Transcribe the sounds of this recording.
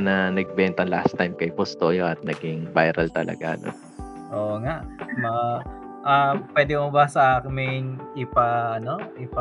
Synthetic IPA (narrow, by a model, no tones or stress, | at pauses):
nɐnɐɡ̚bɛnt̪ɐŋla̰st̪ːajmkɐjpost̪oʔjoɐt̪̚nɐɡɪŋbajɾɐlt̪ɐlɐ̰ɡa̰no̰n | ʔoːʔŋaʔmɐŋa | ʔapwɛːd̪ɪmobɐsɐʔaːkɪmɪŋɪpɐʔɐno̞ʔɪpɐ